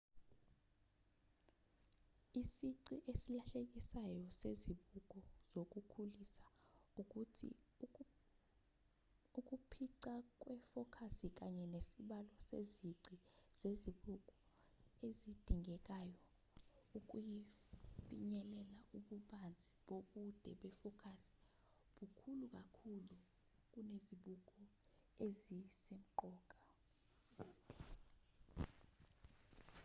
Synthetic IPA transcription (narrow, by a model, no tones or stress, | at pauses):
isiǀiʔesilaɬek̬isajɔseziɓuk̬ʼɔz̥ok̬ʼukʰulisḁuutʰḭ | uk̬ʼupʰiǀak̬ʼwɛfɔkʰasik̬ʼaɲɛnesiɓalɔsḛziǀiz̥eziɓuk̬ʼɔ | ezid̥ʱiŋʱɛkʼajɔ | ukʼujifiɲɛlɛlaʔuɓuɓand͡zʱɛɓoɓud̥ʱɛɓɛfɔkʰasi̥ | ɓukʰuluk̬ʼakʰulu | k̬ʼuneziɓukʼɔ | ezisem̩ǃɔːkʼa